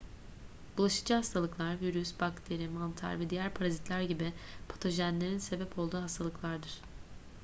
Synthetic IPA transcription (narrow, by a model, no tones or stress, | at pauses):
b̥ulˠaʃɯ̥d͡ʒɯhast̪ʰalˠɯklˠaɾviɾysbakt̪ʰe̞ɾimant̪ʰa̰ɾvɛd̪ijæɾpʰaɾazit̪ʰlʲæɾɟibipʰḁt̪ʰo̞ʒænlʲe̞ɾinse̞bɛpʰo̞lˠd̪uːɦast̪ʰalˠɯklˠaɾd̪ɯɾ̥